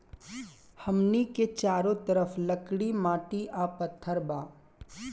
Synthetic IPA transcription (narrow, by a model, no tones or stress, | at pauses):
hɐmniket͡ʃaːɾõt̪ɐɾəflɐkɽimaːʈiʔapɐt̪ʰːəɾbaː